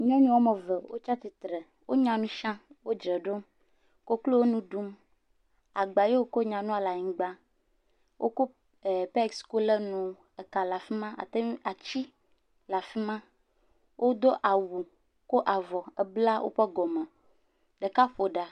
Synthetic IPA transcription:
ɲɔ̃˦ɲɔ̃˦wo˦mɛ˨vɛ˨wo̰˦t͡ʃa˦t̪i˨t̪ɾɛ˨ | wʔo˦ɲã˨nũ˦ʃã˦wo˦d͡ʒɾɛ˨ɖo˦m | ko˦klo˦wo˦nũ˦ɖu˦m | a˨ɡ͡ba˨je˦wo˦ko˦ɲã˨nũ˦a˨la˨ɲĩ˨ɡ͡ba˦ | wʔo̰˦ko˦˨ | pɛ˦˨ksko˦le˦nũ˨ | ɛ˨ka˨la˨fi˦mã˦ʔa̰˨t̪e˦a˨t͡ɕi˦ | la˨fi˦mã˦ | wʔo˦d̪o˦ʔa˨wu˨ | ko˦ʔa˨vɔ˨ɛ˨bla˦wo̰˦ɸɛ˦ɡɔ˨mɛ˨ | ɖə˨ka˦ɸo˨ɖa˨

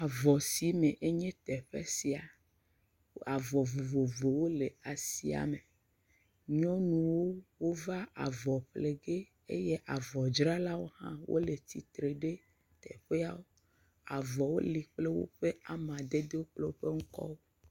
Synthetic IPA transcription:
a˨vɔ˨si˨mẽ˨ʔe˦ɲẽ˦t̪ɛ˨ɸḛ˦si˨a˨˦ | a˨vɔ˨vo˨vo˨vo˨wo˦le˨a˨si˦a̰˨me˨ | ɲɔ̃˦nũ˨wo˦wo˦va˦ʔa̰˨vɔ˨ɸle˨ɡe˦ | ḛ˦je˦ʔa˨vɔ˨d͡ʒɾa˦la˦wo˦hã̰˦wʔo̰˦le˨t̪i˨t̪ɾe˨ɖe˦ | t̪ɛ̰˨ɸe˦a˦˨wo˦ | a̰˨vɔ˨wo˦li˨k͡ple˦wo̰˦ɸe˦a˨mã˨d̪e˦d̪e˦wo˦k͡ple˦wo˦ɸe˦ŋ̩˦kɔ̰˦wo˦

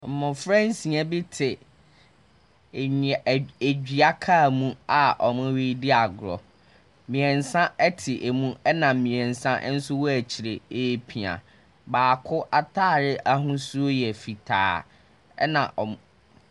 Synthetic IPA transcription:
m̩˨mʊ̃˨fɾɛ̃˦n˦sĩ˨ɛ˦bɪ˦tʰɪ˨ | ɲ˨e˨d͡ʑᶣi˨a˦kʰa˦˨mũ˦a˨ʔɔ˨mʊ̃˦wi˦dɪ˦a˨ɡɾɔ̰˨ | mĩ˨ɛ̃˨n̩˨sã˦ɛ˦tʰɪ˨ʔe˨mũ˦ɛ˦nã˨mĩ˨ɛ̃˨n˨sã˦ʔn̩˦sʊ˦wɔ˦æ˨t͡ɕʰɪ˨ɾe˨eː˦pʰi˨a̰˨ | baː˨kʰʊ˦ʔa˦tʰaː˦˨ɾɪ˦ʔa˦ɦʊ̃˦su˦o˦jɛ˨fi˨tʰa̰ː˨ | ɛ̰˦nã˨ʔɔ˨m˨

